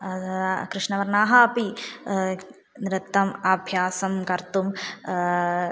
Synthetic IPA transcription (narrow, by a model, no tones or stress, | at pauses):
kɾɨʂnɐʋɐɾnaːɦaːpi | nɾɪt̪ːɐmɐbʱjaːsɐmkɐɾt̪um